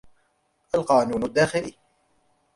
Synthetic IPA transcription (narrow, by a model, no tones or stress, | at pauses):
ʔalqɑːnuːnad̪ːaːxɪliː